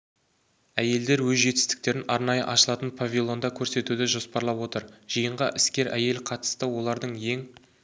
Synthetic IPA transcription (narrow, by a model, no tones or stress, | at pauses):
æje̞ld̪e̞ɾwɵzʒe̞t̪ɪst̪ɪ̥k̚t̪e̞ɾɪnɑɾnɑjəʔɑʃəlˠɑt̪ənpʰavʲilˠo̞nd̪ɑkʲʰɵɾse̞t̪ud̪ɪʒo̞spɑɾlˠɑpwo̞t̪əɾʒ̥ijəɴʁɑʔɪskʲe̞ɾʔæje̞lqʰɑt̪ə̥st̪əwo̞lˠɑɾd̪əɴje̞ŋ